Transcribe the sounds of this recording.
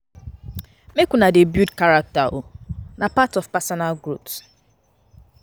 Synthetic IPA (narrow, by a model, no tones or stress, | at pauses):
mekʷunadebudkaɾak̚taʔonapatɔfpasɔnalɡɾups